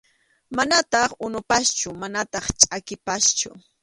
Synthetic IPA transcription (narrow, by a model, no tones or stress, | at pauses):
manat̪ɑχʊnʊpast͡ʃʊmanat̪ɑχt͡ʃʼakɪpast͡ʃʊ̰